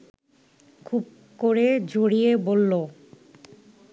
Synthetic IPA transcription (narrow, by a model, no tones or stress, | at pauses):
kʰub̚ | koɾed͡ʑoɽiebolːo